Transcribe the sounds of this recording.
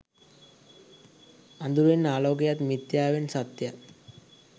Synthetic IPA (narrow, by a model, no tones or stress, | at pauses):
ɐnd̪uɾenaːloːɡejat̪mit̪jaːʋensɐt̪jat̪